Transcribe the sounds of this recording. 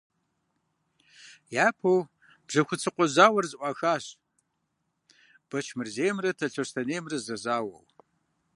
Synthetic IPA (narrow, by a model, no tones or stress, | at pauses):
jaːpʰow | b̥ʐɐxʷʊt͡sʰɨqʷɔzaːwɐrzɨʔʷɑxaːɕ | b̥ɐt͡ʃʰmɨrzeːjmrɐtʰɐɬɐɕtʰɐneːmrɨzɐzaːwɐ̰w